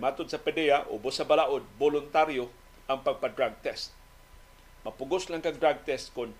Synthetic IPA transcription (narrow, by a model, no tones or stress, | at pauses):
mat̪ʊd̪̚sapɛdɛjaʔʊ̰bʊsabalaʔʊd̪̚bolʊnt̪aɾjo | ʔaŋpaɡ̚pad̪ɾaɡ̚t̪ɛst̪̚ | mapʊɡʊslaŋkaŋdɾaɡ̚t̪ɛst̪̚kʊn